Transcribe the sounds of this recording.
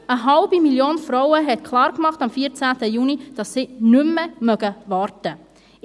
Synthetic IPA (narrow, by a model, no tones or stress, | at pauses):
əɦɑlbimiljoːnfɾɔwəɦɛtkʰlˠɑːɾkmɑχtɑmfiːəɾt͡sæːtəjunid̥ɑsːinʉmːəmœɡəʋɑːɾtə